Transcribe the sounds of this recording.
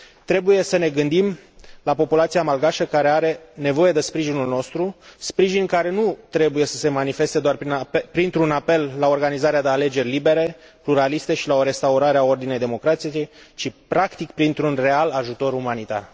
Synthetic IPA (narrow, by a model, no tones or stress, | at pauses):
t̪ɾe̞buje̞səne̞ɡɨnd̪imlapo̞pulat̪siamalɡaʃəkaɾe̞aɾe̞ne̞vo̞je̞d̪e̞spɾiʒinulno̞st̪ɾuspɾiʒinkaɾe̞nut̪ɾe̞buje̞sə̥se̞manife̞st̪e̞d̪oaripɾint̪ɾunape̞lːao̞rɡanizaɾead̪eale̞d͡ʒe̞rʲlibe̞ɾe̞pluɾalist̪e̞ʃilao̞ɾe̞st̪auɾaɾeao̞rd̪ine̞jd̪emo̞kɾat̪siejt͡ʃipɾakt̪ikpɾint̪ɾunre̞alaʒut̪o̞ɾumanit̪a̰r